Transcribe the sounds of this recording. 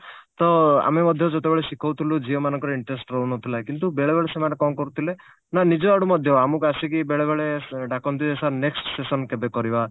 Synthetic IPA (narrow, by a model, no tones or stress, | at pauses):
t̪ɔa̰memɔd̪ʱjɔd͡ʒɔt̪ebeɭesikʰɔwt̪ʰilud͡ʒiɔmanɔŋkɔɾiɳʈɾesʈɾɔunɔt̪ʰilakint̪ubeɭebeɭesemanekɔmkɔɾut̪ʰile | nanid͡ʒɔaɽumɔd̪ʱjɔamukuasikibeɭebeɭeɖakɔnt̪ʰid̪esaneksʈsesɔnkebekɔɾiba